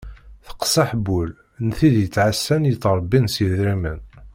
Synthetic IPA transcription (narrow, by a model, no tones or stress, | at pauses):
θə̥qsɑħbul | nθiðjət͡sːʕasːænjət͡sːɾˤbːinsəðɾimən